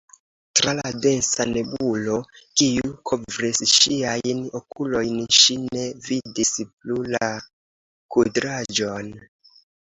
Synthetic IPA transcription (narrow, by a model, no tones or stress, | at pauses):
tɾalade̞nsane̞bulo̞kiukʰovɾisʃiajnokʰulo̞jnʃine̞vidisp̚lula | kudɾad͡ʒo̞n